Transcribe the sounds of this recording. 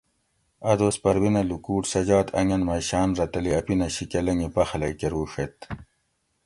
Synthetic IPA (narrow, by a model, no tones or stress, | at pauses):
ɐd̪oːspɐɾwinɐlukuːʈsɐd͡ʑaːt̪ʰɐ̰ŋɐnmɐjɕaːnɾɐt̪ɐliɐpinɐɕikelɐŋɡipɐxɐlɐjkeɾuːʂet̪